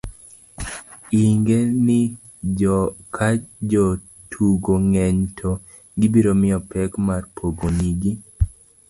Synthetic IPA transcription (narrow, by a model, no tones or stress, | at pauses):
iŋɡenɪ | d͡ʒɔkʰad͡ʒɔ | tʰuɡoŋɛɲtʰo | ɡɪbiɾomɪɔpɛkmarpʰoɡoɲiɡi